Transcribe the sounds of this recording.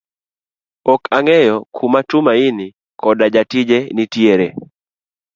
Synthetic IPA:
ɔkʰaŋɛjɔkʰumatʊmaɪnɪ | kɔdad͡ʒatɪd͡ʒenitjeɾe

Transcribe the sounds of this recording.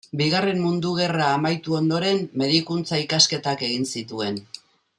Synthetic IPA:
biɣare̞mmund̪uɣ̞e̞raːmajt̪uo̞nd̪o̞ɾe̞mːe̞ð̞ikunt͡saikaske̞t̪ake̞ɣinsit̪ue̞n

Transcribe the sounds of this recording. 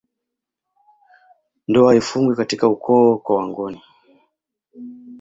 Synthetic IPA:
ndɔaifuŋɡwikatikaukʰɔːkwawaŋɡɔni

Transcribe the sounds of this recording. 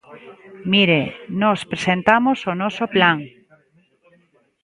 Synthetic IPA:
miɾenospɾesẽnt̪amosonosoplaŋ

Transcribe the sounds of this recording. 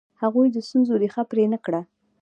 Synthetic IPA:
haɣujd̪əst̪unzod̪exapɾenəkɽa

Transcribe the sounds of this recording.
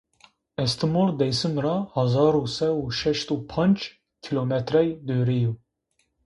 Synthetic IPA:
ɛst̪ʰɨmold̪ɛjsɨmɾɑhɑzɑːɾusɛuʃɛʃt̪uːpʰɑnd͡ʒ | kʰilomɛt̪ɾɛjd̪øːɾeju

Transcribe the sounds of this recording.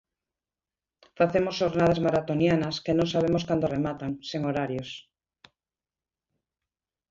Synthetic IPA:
faθemosʃoɾnað̞azmaɾat̪onjanaskenõŋsaβ̞emoskand̪oremat̪aŋseŋoɾaɾjos

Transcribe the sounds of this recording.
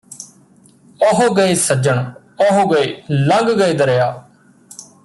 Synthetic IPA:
oɦoɡəeːsəd͡ʒəɳ | oɦoɡəeːlə̃ŋɡɡəeːd̪əɾejaː

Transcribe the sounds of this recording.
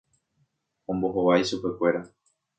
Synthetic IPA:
õ̞mbo̞ɦoʋajʃupe̞kʷe̞ɾa

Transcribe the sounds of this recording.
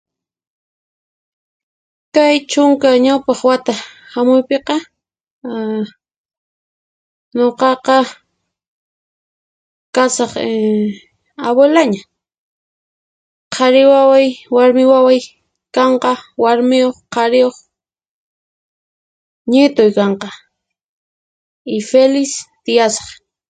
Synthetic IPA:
kajt͡ʃʊŋkaɲawpɑχwat̪ahamʊjpeqɑ | ɲoqɑqɑ | kasɑχ | aβelaɲa | qʰɑɾɪwawajwaɾmɪwawaj | kɑɴqɑwaɾmɪjoχqɑɾɪjoχ | ɲɪt̪ojkɑɴqɑ | ɪfelɪst̪ɪjasɑ̥χ

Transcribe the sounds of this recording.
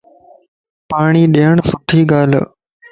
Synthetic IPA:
paːɳ̃iːɗeɦəɳ̃sʊʈʰiːɡaːl

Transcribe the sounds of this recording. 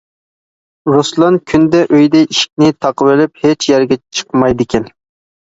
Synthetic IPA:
ɾoslˠɑnkʲʰynd̪ɛʔøjd̪ɛiʃi̥k̚ʲnɪt̪ʰɑqəvɪlɪphet͡ʃʰjɛɾɡʲɛt͡ʃʰə̥qmɑjd̪ɪkʲʰɛn

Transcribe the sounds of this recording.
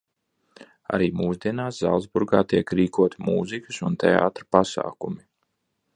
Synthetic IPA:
a̰ɾiːmuːzd̪iɛnaːsza̰lˠzbuɾɡaːt̪iɛkɾiːkuɔt̪imuːzikɨsunt̪ʰea̰ːt̪ɾapasa̰ːkumi

